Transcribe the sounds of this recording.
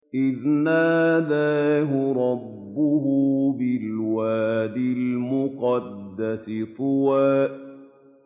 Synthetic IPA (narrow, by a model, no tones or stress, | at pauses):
ʔɪðnaːd̪aːɦʊɾˤɑbːʊɦubɪlwaːd̪ɪlmʊqɑd̪ːasɪθˤʊwaːʔ